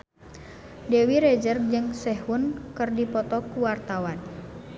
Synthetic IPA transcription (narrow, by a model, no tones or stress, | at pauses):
dɛwiɾɛd͡ʒərd͡ʒɨŋsɛɦunkɨrdipɔt̪ɔkuwart̪awan